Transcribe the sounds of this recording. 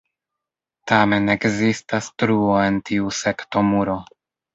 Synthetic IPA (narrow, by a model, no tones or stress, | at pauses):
tame̞ne̞ɡzistastɾuoe̞ntiuse̞kto̞muɾo̞